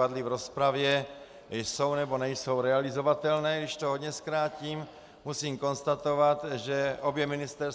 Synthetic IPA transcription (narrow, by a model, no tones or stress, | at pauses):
adlɪvɾo̞spɾavjɛ | jso̞wnɛbonɛjso̞wɾɛalɪzo̞vat̪ɛlnɛːɡdɪʃt̪oɦod̪ɲɛskɾaːciːm | musiːmko̞nst̪at̪o̞vat̪ʒɛʔo̞bjɛmɪnɪst̪ɛɾs